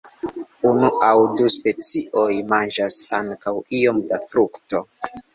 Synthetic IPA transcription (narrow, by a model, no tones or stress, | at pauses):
unuawduspe̞t͡siʔo̞jmand͡ʒasa̰ŋkawio̞mdafɾukto̞